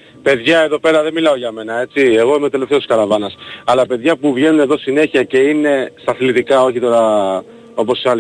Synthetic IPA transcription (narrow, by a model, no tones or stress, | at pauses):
pe̞ðʝɐeðo̞pe̞ɾɐðe̞milɐo̞ʝɐme̞nɐe̞t͡sie̞ɣo̞imet̪e̞le̞ft̪et̪iskɐlɐvɐnɐsɐlɐpe̞ðʝɐpuvʝe̞nune̞ðo̞sine̞çiɐce̞ine̞st̪ɐθlit̪ikɐo̞çit̪o̞ɾɐ | o̞po̞siɐl